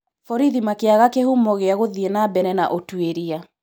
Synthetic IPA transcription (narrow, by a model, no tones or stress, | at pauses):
fɔɾiðimakeaɣakehumɔɣeaɣoðienabɛɾɛnaʔotweɾia